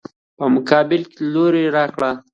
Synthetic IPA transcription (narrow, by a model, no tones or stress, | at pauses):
pəmʊkɑbɪlkeloɾeɾɑkɽa